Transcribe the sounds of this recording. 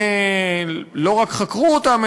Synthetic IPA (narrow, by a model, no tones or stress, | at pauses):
lo̞ʁakχakʁuot̪am